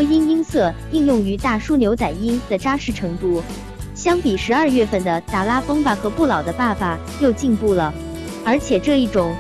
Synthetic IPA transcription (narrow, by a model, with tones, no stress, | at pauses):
i˥ni˥nsɤ˥˧˩ | i˥˧ŋjʊ˥˩ŋy˧˥t̪a˥˩ʂu˥njo˧˥ʊt͡sa˨˩ɪi˥nt͡s̪ːɪʈ͡ʂa˥ʂɻ̩˥˩ʈ͡ʂʰɤ˧˥ŋt̪u˥˩ | ɕjɑ˥ŋpi˨˩ʂɻ̩˧˥ɐ˞˥˧ɥɛ˥˧fə˥˩nd̪ə˩t̪a˨˩la˥fɤ˥ŋpa˩xɤ˧˥pu˥˩lɑ˨˩ʊd̪ə˦pa˥˩fa˨˩ | jo˥˧ʊt͡ɕi˥˧npu˥˩lə˩ | ə˞˧˥t͡ɕʰjɛ˨˩ʈ͡ʂɤ˥˧i˥˩ʈ͡ʂʊ˨˩˦ŋ